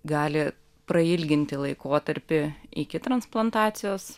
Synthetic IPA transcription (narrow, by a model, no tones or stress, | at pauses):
ɡɑːlʲɪ | pɾɐɪlʲɡʲɪnʲt̪ʲɪlˠɐɪkoːt̪ɐɾʲpʲɪɪkʲɪt̪ɾɐnsplˠɐnt̪ɑːt̪sʲɪjoːs